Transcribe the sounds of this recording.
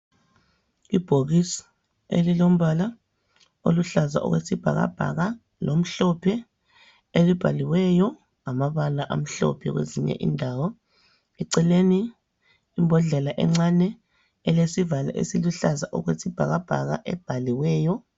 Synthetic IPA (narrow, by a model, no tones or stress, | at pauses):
ib̥ʱoɣisḁ | ḛlilom̩βala | o̰luɬaza̰ʔɔ̰ɣwesib̥ʱa̰ɣa̰b̥ʱa̰ɣa | lom̩ɬɔpʰɛ | elib̥ʱaliwɛjɔ | ŋamaβalaʔam̩ɬɔ̰pʰɛɣwḛziɲɛ̰ʔḭndʱawɔ | ɛǀɛleniː | mbʱɔɮɛlaʔɛ̰ŋ͡ǀanɛ | ɛlesivala̰ʔḛsiluɬazaʔɔɣwesib̥ʱaɣab̥ʱa̰ɣa̰ʔɛb̥ʱaliwɛːjɔ